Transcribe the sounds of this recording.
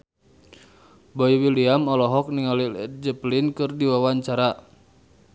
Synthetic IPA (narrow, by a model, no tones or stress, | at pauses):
bɔiwiliamɔlɔɦɔk̚niŋalid͡ʒəplinkɨrdiwawaɲt͡ʃaɾa